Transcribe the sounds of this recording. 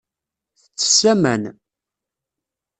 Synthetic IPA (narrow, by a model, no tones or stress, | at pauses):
θət͡sːə̥sæmæ̰n